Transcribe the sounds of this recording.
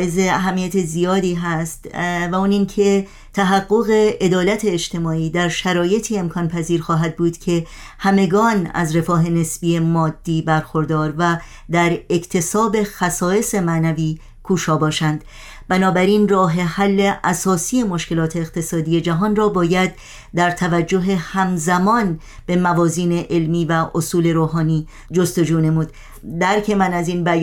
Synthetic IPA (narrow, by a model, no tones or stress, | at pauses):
ʔezeæɦæmːijæt̪ʰezijɒːd̪iːɦæst̪væuːniːŋcʰe̞ | t̪ʰæɦæɢːo̞ɣe̞ed̪ɒːlæt̪ʰe̞ːt͡ʃt̪ʰe̞mɒːiːd̪æɾʃæɾɒːje̞t̪ʰiːe̞mkʰɒːnpʰæziːɾxɒːɦæd̪̚buːd̪̥cʰe̞ | hæme̞ɡɒːnæ̰zɾe̞fɒːɦe̞ne̞sb̥iːe̞mɒːd̪̥ːiːbæɾxo̞ɾd̪ɒːɾvæ | d̪æɾe̞kʰt̪ʰe̞sɒːbe̞xæsɒːe̞se̞mænæviː | kʰuːʃɒːbɒːʃænd̪̥ | bænɒːbæɾiːnrɒːɦe̞hælːe̞ʔæsɒːsiːje̞mo̞ʃce̞lɒːt̪ʰe̞ːqt̪ʰe̞sɒːd̪ije̞d͡ʒæɦɒːnrɒːbɒːjæd̪ | d̪æɾt̪ʰævæd͡ʒːo̞ɦe̞hæmzæmɒːn | b̥e̞mævɒːziːne̞ʔelmiːvæʔosuːle̞ɾoːɦɒːniː | d͡ʒo̞st̪o̞d͡ʒuːne̞muːd̪̥ | d̪æɾcʰe̞mænæziːnbæ